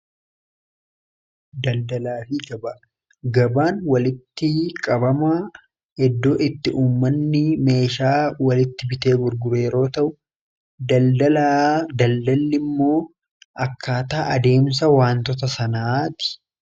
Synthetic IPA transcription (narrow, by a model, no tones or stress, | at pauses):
d̪ɐld̪ɐlaːfɪɡɐbɐ | ɡɐbaːnwɐlɪt̪ːɪkʼɐbɐma | hɛd̪ːo̞ːʔɪt̪ːɪʔuːmːɐnːɪme̞ːʃaːwɐlɪt̪ːɪbɪt̪e̞ːɡʊɾɡʊɾe̞ːɾo̞ːt̪ɐʔʊ | d̪ɐd̪ɐad̪ɐld̪ɐlːɪmːo̞ː | ɐkːaːt̪aːʔɐd̪e̞ːms̬ɐwaːnt̪ɔt̪ɐsɐnaːt̪ɪ̥